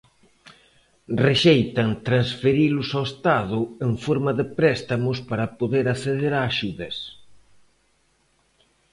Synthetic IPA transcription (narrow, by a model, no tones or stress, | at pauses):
reʃejt̪ɐŋt̪ɾansfeɾilʊsawest̪aðʊeŋfoɾmɐðɪpɾɛst̪amʊspaɾɐpoðeɾaθeðeɾaːʃuðɐs